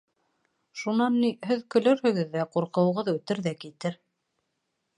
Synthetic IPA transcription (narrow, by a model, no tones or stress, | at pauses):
ʃunɑnːiɦɘðkɵ̆lɵɾhɵ̆ɡɘ̆ðːæquɾqɤ̆wɤ̆ʁɤðʉt̪ɘɾðækit̪ɘɾ